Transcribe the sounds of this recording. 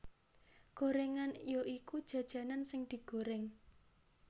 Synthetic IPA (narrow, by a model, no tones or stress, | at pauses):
koɾeŋanjoʔikud̥ʒ̥ä̤d̥ʒ̥ä̤nansɪŋd̪̥i̤ɡ̥o̤ɾɛŋ